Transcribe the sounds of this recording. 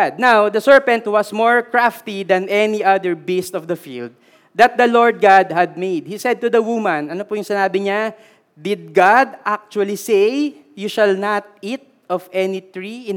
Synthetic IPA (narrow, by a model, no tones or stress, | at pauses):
d̪̚nawd̪ɐsɛɹpɐ̃nt̪wɐsmoɹkɹaft̪id̪ɐnʔɛniʔɐd̪ɛɹbist̪ɔvd̪ɐfḭld̪̚ː | ɐt̪̚d̪ɐloɹd̪̚ɡad̪̚hɐd̪̚mejd̪̚hisɛd̪̚t̪ʊd̪ɐwumɐ̃nɐnopʊjʊŋsɪnaːbɪɲa | d̪ɪd̪̚ɡad̪ʔak̚t͡ʃuɐlisej | juʃɐlnat̪̚it̪̚ʔɔvɛnit̪ɹiɪ